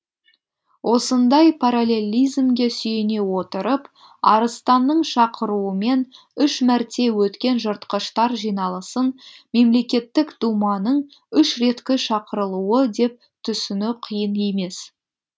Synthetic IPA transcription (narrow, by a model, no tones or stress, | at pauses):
wʔo̞sənd̪ɑjpʰaɾalʲe̞lʲijzmɡʲe̞sʏjene̞wo̞t̪əɾəp | ɑ̰ɾəst̪ɑnːəɴʃɑqəɾuəme̞n | ʏʃmæɾt̪e̞wɵt̪kʲe̞nʒəɾt̪qəʃt̪ɑɾʒijnɑlˠəsənme̞mle̞kʲe̞t̪ːɪkd̪̥umɑnəɴ | ʏʃɾe̞t̪kʲɪʃɑqəɾəlˠuwəd̪e̞p̚ | t̪ʰʏsɪnɪqʰijəne̞me̞s